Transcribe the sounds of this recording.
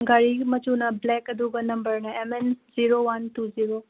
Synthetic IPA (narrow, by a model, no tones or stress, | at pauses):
ɡaɾimɐt͡ʃunɐblɛkɐd̪uɡənɐmbəɾnaemenziɾowɐnt̪uziɾo